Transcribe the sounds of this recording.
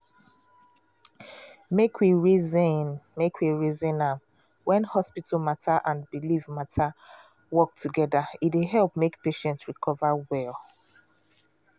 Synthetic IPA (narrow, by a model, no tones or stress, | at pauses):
mekʰwiɹizĩnmekʰwiɹizĩnãm | wɛ̃nhɔspit̩mataʔãnbilivmatʰa | wɔk̚tʰuɡɛdaideɦɛlˠpmekpeʃɛ̃ntɹikʰɔvawɛlˠ